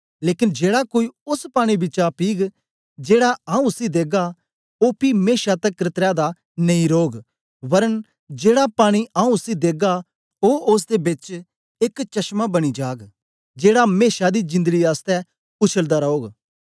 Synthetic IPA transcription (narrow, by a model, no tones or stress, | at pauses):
leːkɪnd͡ʒeːɽakoːiʊspaːɽ̃ibɪt͡ʃapiːɡ | d͡ʒeːɽaãːũʊsid̪eːɡa | oːpimeːʃat̪ɛkɾɪt̪ɾad̪a | nɐĩɾoːɡ | ʋɐɾən | d͡ʒeːɽapaːɽ̃iʔãːũʊsid̪eːɡa | oʔʊs̬d̪ebɪt͡ʃ | ɪkt͡ʃɐʃmabɐɽ̃id͡ʒaːɡ | d͡ʒeːɽameːʃad̪id͡ʒɪ̃nd̪əɡiaːst̪ɛ | ʊt͡ʃʰəld̪aɾɐoːɡ